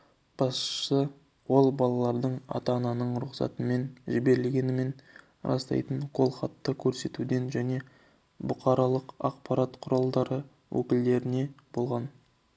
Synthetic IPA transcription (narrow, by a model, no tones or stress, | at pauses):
b̥ɑssə | wo̞lˠbɑlˠɑlˠɑɾd̪əɴɑ̰t̪ɑnɑnəɴɾʊqsɑ̰t̪ənme̞nʒɪbe̞ɾɪlɡʲe̞nɪme̞n | ɾʔɑ̰st̪ɑ̰jt̪əɴqʰo̞lˠχɑt̪ːəkʲʰɵɾse̞t̪ud̪e̞nʒæne̞ | bʊqɑɾɑlˠəqɑq̚pɑɾɑt̪qʰʊɾɑlˠd̪ɑɾə | wɵ̰kʲɪld̪e̞ɾɪne̞b̥o̞lˠʁɑn